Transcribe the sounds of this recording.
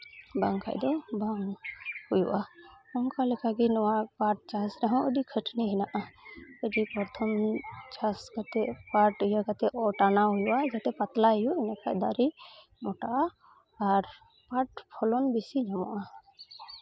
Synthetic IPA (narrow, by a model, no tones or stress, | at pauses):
baŋka̰jd̪ɔbaŋhujṵʔaɔmkalɛkaɡinɔwapaʈ̚t͡ʃasɾɛɦɔ̃ʔəɖikʰəʈʰniɦinaʔaəɖipɔɾt̪ʰɔmt͡ʃaskat̪ɛpaʈəjakat̪ɛʔɔʈanaɦujuʔad͡ʒat̪ɛpat̪laɦjuɛnakad̪aɾi | mɔʈaʔaː | ɾ | paʈpʰɔlɔnbisid͡ʒmɔ̰ʔa